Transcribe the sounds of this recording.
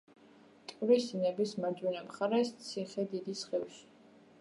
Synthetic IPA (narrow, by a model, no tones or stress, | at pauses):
t̪ʼɾisinɛbismad͡ʒwinamχaɾɛst̪sʰiχɛd̪id̪isχɛvʃi̥